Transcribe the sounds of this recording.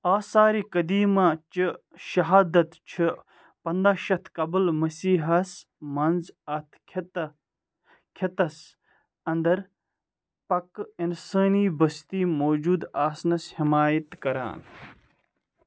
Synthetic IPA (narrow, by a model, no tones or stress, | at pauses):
aːsaːɾiːkɐd̪iːmaːt͡ʃɨ | ʃɐɦaːd̪ɐt̪t͡ʃʰi | pɐnd̪aːʃɐt̪ʰkɐblmɐsiːɦɐs | mɐnzɐt̪ʰ | kʰɐt̪ɐs | ɐnd̪ɐɾ | pɐkinsəːniːbɐst̪iːmoːd͡ʒuːd̪aːsnɐshɪmaːjɐt̪kɐɾa̰ːn